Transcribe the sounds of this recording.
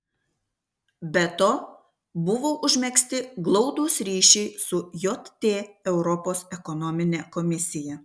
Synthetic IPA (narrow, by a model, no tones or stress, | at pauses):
bʲɛt̪oː | bʊʋoːʔʊʒʲmʲɛksʲt̪ʲɪɡlˠɔʊd̪uːsɾʲiːʃʲɛɪsʊjot̪t̪ʲːeːɛʊɾɔpoːsɛkɔnɔmʲɪnʲekɔmʲɪsʲɪjɛ